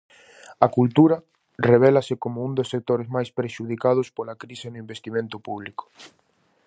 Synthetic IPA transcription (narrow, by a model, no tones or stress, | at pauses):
ɐkult̪uɾɐ | reβ̞ɛlɐsɪkomʊund̪osːek̚t̪oɾezmajspɾeʃuð̞ikað̞ʊspolakɾisenʊĩmbest̪imẽnt̪ʊpuβlikʊ̥